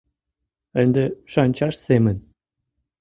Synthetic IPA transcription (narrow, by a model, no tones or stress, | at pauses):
ə̆nd̪ĕʃɑnʲt͡ɕɑʂsemɘ̆n